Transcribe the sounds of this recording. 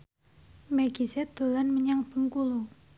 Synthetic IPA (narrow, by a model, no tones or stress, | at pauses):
mɛɡisɛd̪̥o̤lanməɲaŋb̥əŋkulu